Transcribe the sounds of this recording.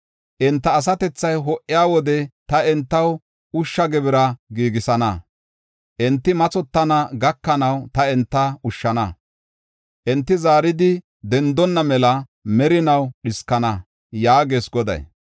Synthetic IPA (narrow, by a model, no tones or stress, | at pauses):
ʔɛnt̪ːɐːs̬ɐt̪ɛt͡sːɐjɦɔʔɪjaːwɔd̪ɛt̪ɐɛnt̪ːɐw | ʊʃːɐɡɛbɪɾɐɡiːɡɪsɐnɐ | ʔɛnt̪ːɪmɐt͡sɔt̪ːɐnɐɡɐkːɐnɐwt̪ɐɛnt̪ːɐʊʃːɐnɐ | ʔɛnt̪ːɪzaːɾɪd̪ɪ | d̪ɛnd̪ɔnːɐmɛlɐ | mɛɾɪnɐwɗɪskːɐnɐ | jaːɡeːsɡɔd̪ɐ̰j